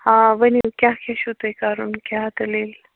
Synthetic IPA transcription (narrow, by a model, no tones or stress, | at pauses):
hãʋənikjakʲaɕut̪əjkaɾunkjat̪əleːl